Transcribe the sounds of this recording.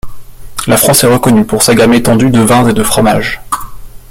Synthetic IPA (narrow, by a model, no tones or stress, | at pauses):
lafχɑ̃sɛʁəkɔnypuʁsaɡamet̪ɑ̃d̪yd̪əvɛ̃zed̪əfχɔmaʒ